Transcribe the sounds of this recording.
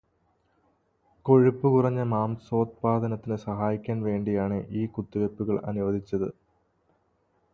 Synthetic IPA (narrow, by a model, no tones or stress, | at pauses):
ko̞ɻupːɨkurɐɲːɐmaːmso̞ːt̪̚paːd̪ʱɐnɐt̪ːinɨsɐɦaːjikʲːaːnʋe̞ːɳɖijaːɳɨʔiːkut̪ːiʋepːuɣɐɭɐ̰nuʋɐd̪ʱit͡ɕːɐðɨ̰